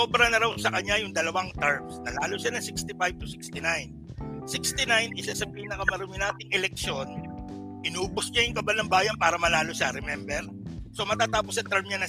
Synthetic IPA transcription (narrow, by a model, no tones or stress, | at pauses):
soːbɾɐnɐɾawsɐkɐɲːajʊŋd̪ɐlɐwaŋt̪ɛɹmsnɐlaːloʃanɐŋsɪkst̪ɪfajb̚t̪ʊsɪkst̪ɪnajn | sɪkst̪ɪnajnɪsɐsɐbiːhɪnɐkɐmɐɾumɪnaːt̪ɪŋʔɛlɛk̚ʃon | pɪnuːbʊsɲajʊŋkɐbanɐŋbaːjɐnpaːɾɐmɐlaːloʃaɾɛmɛmbɛɾ | so̞mɐt̪aːt̪aːposɐt̪ɛɹmɲanɐ